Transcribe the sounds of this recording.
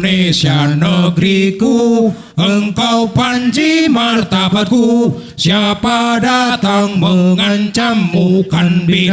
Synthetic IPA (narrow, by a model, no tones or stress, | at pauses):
nesianəɡɾiku | əŋkaupaɲd͡ʒimart̪abaku | sjapadat̪aŋməŋaɲt͡ʃamːukanbi